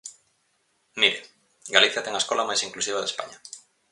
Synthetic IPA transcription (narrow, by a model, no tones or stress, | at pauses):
miɾe | ɡaliθjɐt̪ɛŋaeskɔlamajsiŋklusiβ̞aðespa̰ɲɐ